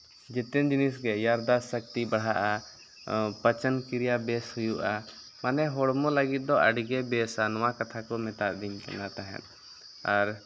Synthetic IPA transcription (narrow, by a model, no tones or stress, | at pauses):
d͡ʒɛt̪ɛnd͡ʒinisɡɛjaɾd̪asək̚t̪ibaɽ̤ɦaʔa | pət͡ʃənkiɾijabɛshujuʔa | manɛɦɔɽmɔ̃ləɡit̪̚ˀd̪ɔʔəɖɡɛbɛsanɔwakat̪ʰakɔmɛt̪aʔd̪imkɛ̰nat̪aɦɛ̰̃t̪ | aɾ